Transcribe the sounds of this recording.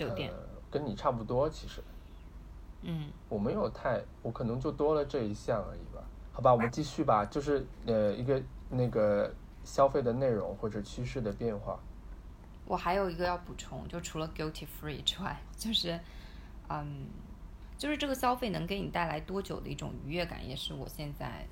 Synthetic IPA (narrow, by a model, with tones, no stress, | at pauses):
jo˨˩t̪jɛ̰˥˩kə˥ni˨˩ʈ͡ʂʰa˥˧p̬u˥˩t̪wɔ˥t͡ɕʰi˧˥ʂɻ̩˧˦ | n̩˥˩wɔ˨˩me˧˥ɪjo˨˩ʊt̪ʰa˥˩ɪwɔ˧˥kʰɤ˨˩nɤ˧˥ŋt͡ɕjo˥˩ʊt̪wɔ˥lə˨ʈ͡ʂɤ˥˩i˧˥ɕjɑ˥˩ŋə̰˞˧˥ḭ˨˩bɐ̰˩xɑ˨˩ʊba˧wɔ˨˩mə˦nt͡ɕi˥˧ɕy˥˩bɐ˨t͡ɕjo˥˧ʊʂɻ̩˥˧ə˧i˧˥ɡə˧na˥˩ɡə˩ | ɕjɑ˥ʊfe˥˩ɪd̪ə˩ne˥˩ɪɻʊ̰˧˥ŋxwɔ˥˩ʈ͡ʂɤ˨˩t͡ɕʰy˥ʂɻ̩˥˩d̪ə˩pjɛ˥˧nxwa̰˥˩ | wʔɔ˨˩xa˧˥ɪjo˨˩ʊi˧˥ɡə˧jɑ˥˩ʊpu˨˩ʈ͡ʂʰʊ̰˧˥ŋt͡ɕjo˥˧ʊʂʈ͡ʂʰu˧˥lə˧ɡi˥ʊt̪ʰi˥˩fɹi˥˩ʈ͡ʂwa̰˥˩ɪt͡ɕjo˥˧ʊʂɻ̩˥˩ | ə˧˩n | t͡ɕjo˥˧ʊʂɻ̩˥˧ʈ͡ʂɤ˥˩ɡə˩ɕjɑ˥ʊfe˥˩ɪnɤ˧˥ŋke˧˥ɪni˨˩t̪a˥˩ɪla˧˥ɪt̪wɔ˥t͡ɕjo˨˩ʊd̪ə̰˦i˥˩ʈ͡ʂʊ̰˨˩ŋy˧˥ɥɛ˥˩ka̰˨˩njɛ̰˧˥ʂɻ̩˥˩wɔ̰˨˩ɕjɛ˥˧nt͡sa̰˥˩ɪ